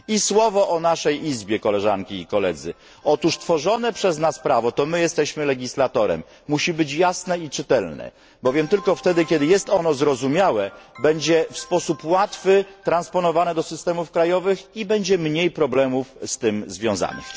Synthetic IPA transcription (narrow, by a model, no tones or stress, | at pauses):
iswɔvɔʔɔnaʂɛjʔizbʲjɛkɔlɛʐa̰ŋkʲiːkɔlɛ̰d̪zɘ̰ | ɔt̪uʂt̪fɔʐɔnɛpʂɛznaspɾavɔt̪ɔmɘjɛst̪ɛɕmɘlɛɡʲislat̪ɔɾɛ̰mːuɕibɘt͡ɕjasnɛit͡ʂɘt̪ɛlnɛ̰ | bɔvʲjɛmt̪ɘlkɔft̪ɛd̪ɘkʲjɛd̪ɘjɛst̪ɔnɔzɾɔzumʲjawɛbɛɲd͡ʑɛfspɔsupwat̪fɘt̪ɾanspɔnɔvanɛd̪ɔsɘst̪ɛmufkɾajɔvɘxibɛɲd͡ʑɛmɲejpɾɔblɛmufst̪ɘmzvʲjɔ̃za̰ɲɛ̰